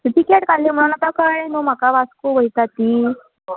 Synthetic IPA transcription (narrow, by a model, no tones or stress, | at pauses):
t̪it̪ikeʈkalːem̤əɽ̃unat̪akəɽẽnom̤akaʋaskuʋəjt̪at̪iː